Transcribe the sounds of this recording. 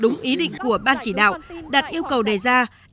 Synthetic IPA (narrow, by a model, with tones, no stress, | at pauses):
ɗʊ˨˦ŋ͡mʔi˨˦ɗḭ˧˨ŋ̟ku˧˩əɓaː˧nt͡ɕi˧˩ɗa̰ː˧˨wɗaː˨˩t̚ʔi˧əwkə˨˩wɗe˨˩zaː˧